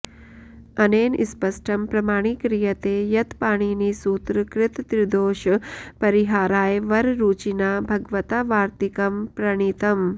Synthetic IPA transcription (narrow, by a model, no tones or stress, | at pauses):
ɐneːnʔḭspɐsʈʰɐmpɾɐmaːɽ̃ikɾijɐt̪eːjɐt̪paːɽ̃iːnisuːt̪ɾɨkɾɪt̪t̪ɾid̪oːʃpɐɾiɦaːɾaːjʋɐɾɾuːt͡ʃinaːbʱɐɡʋɐt̪aʋaːɾt̪ikɐmpɾɐɳ̃it̪ɐm